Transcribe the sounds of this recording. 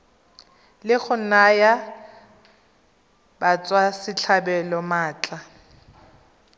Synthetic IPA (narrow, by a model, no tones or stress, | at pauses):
lɪχʊnaja | bat͡sʼwasɪt͡ɬʰabɛlɔmaːt͡ɬʼa